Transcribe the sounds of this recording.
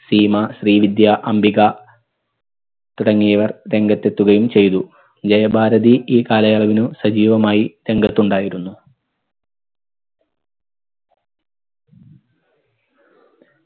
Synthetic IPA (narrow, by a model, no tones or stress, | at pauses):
siːmɐɕriːʋid̪jaʔɐmbiɣɐ | t̪uɽɐŋːijɐʋɐrɾe̞ŋɡɐt̪ːe̞t̪ːuɣɐjumt͡ɕe̞jt̪u | d͡ʑɐjɐbʱaːɾɐðiʔiːkaːlɐjɐɭɐʋinusɐd͡ʑiːʋɐmaːjiɾe̞ŋɡɐt̪ːuɳɖaːjiɾunːu